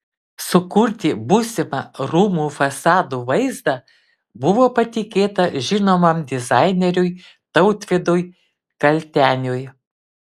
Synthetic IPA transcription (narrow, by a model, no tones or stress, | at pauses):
sʊkʊɾʲt̪ʲɪbuːsʲɪmɑɾuːmuːfɐsɑːd̪uːʋɐɪzd̪ɑ | bʊʋoːpɐt̪ʲɪkʲeːt̪ɐʒʲɪnoːmɐmd̪ʲɪzɑɪnʲɛɾʲʊj | t̪ɐʊt̪ʲʋʲɪd̪ʊj | kɐlʲt̪ʲæːnʲʊj